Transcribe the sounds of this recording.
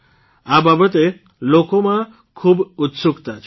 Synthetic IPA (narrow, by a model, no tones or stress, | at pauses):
ababət̪e | lokomã | kʰuːbut̪suɡt̪at͡ʃʰ